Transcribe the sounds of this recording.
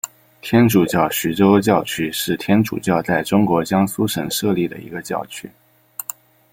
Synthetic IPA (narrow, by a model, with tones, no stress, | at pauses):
t̪ʰjɛ˥nʈ͡ʂu˨˩t͡ɕjɑ˥˩ʊɕy˧˥ʈ͡ʂo˥ʊt͡ɕjɑ˥˩ʊt͡ɕʰy˥ʂɻ̩˥˩t̪ʰjɛ˥nʈ͡ʂṵ˨˩t͡ɕjɑ˥˧ʊt͡sa˥˩ɪʈ͡ʂʊ˥ŋkwɔ˧˥t͡ɕjɑ˥ŋsu˥ʂə˨˩nʂɤ˥˧li˥˩d̪ə̰˩ḭ˧˥ɡə˧t͡ɕjɑ̰˥˩ʊt͡ɕʰy˥